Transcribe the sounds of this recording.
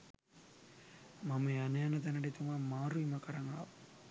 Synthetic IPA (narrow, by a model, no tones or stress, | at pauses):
mɐmeɐnɐjanɐd̪ɐnɐɽit̪umamaːɾuimɐkɐɾɐŋɡɭa̰